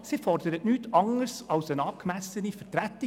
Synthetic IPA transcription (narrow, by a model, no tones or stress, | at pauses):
sɪfɔrdəɾətnyːtʰɑŋəɾsɑwsənɑːp̚kmæsənifəɾtɾæt̪ːi